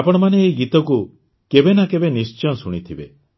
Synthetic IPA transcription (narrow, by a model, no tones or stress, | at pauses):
apɔɽ̃ɔmaneːɡit̪ɔku | kebenakebenist͡ʃɔnsuɽ̃it̪ʰibe